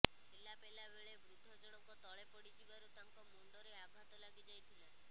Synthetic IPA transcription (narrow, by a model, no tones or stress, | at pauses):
d͡ʒelapelabeɭebɾud̪ʱːɔd͡ʒɔɽ̃ɔkɔt̪ɔɭepɔɽid͡ʒibaɾut̪aŋkɔmoɳɖɔɾeaɡʱat̪ɔlaɡid͡ʒajt̪ʰile